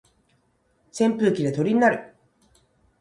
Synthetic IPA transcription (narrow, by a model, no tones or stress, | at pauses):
sẽ̞mpɯːkʲid̪e̞t̪o̞ɾʲiɲ̟inaɾɯ̟